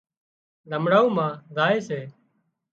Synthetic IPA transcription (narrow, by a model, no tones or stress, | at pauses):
ləmɽaːũːmãːzaːeːseː